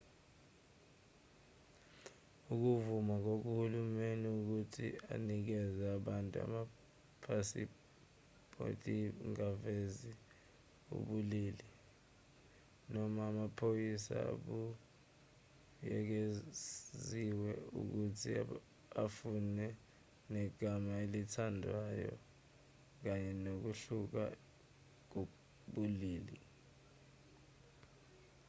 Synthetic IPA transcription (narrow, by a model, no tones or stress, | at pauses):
uk̬uvumak̬ok̬uhulumeniuk̬utʰḭa̰nik̬ɛzaaɓantʼua̰ma | pʰasi | pʰo̰tʼiŋavezi | ṵɓuliːli | nɔmaːmapʰojisa̰a̰ɓu | jɛk̬e | ziwɛṵk̬utʰi | afunɛ | nɛɡ̥ʱamaelitʰandʱwajɔ̰ | k̬aɲɛnok̬uɬuk̬a̰ | k̬u | ɓuliːli